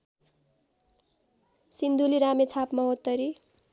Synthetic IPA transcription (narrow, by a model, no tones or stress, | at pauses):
sind̪uliɾamet͡sʰapmʌɦot̪ːʌɾi